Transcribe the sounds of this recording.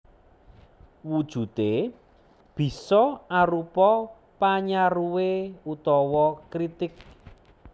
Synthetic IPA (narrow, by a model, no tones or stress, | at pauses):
wud̥ʒ̥ṳt̪e | b̥i̤sɔaɾupɔ | paɲaɾuweut̪ɔwɔkɾit̪ɪk̚